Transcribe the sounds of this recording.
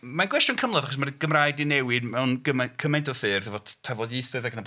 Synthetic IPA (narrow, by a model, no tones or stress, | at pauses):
manɡwɛstjʊnkʰəmlˠɔðaχɔs̬marɡ̥əmrajdɨnɛwɨdmɛwnɡəmakʰəmajntʰɔfɨːrðəvɔtʰɛvɔdiθɨðaɡəna